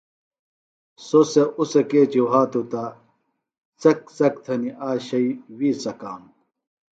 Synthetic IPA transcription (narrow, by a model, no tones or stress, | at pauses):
soseʔusɐkeːd͡ʑuɦaːt̪ut̪a | t͡sɐk̚t͡sɐk̚t̪ʰɐniʔaːɕɐiwiːsɐkaːm